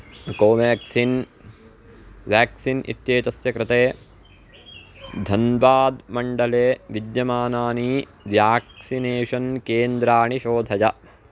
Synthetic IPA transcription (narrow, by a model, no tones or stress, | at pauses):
koːʋaːksin | ʋjaːksinʔḭt̪jeːt̪ɐsjɐkɾɪt̪eː | d̪ʱɐnbaːd̪mɐɳɖɐleːʋid̪jɐmaːnaːniː | ʋjaːksineːʂɐnkeːnd̪ɾaːɳiʃoːd̪ʱɐd͡ʒɐ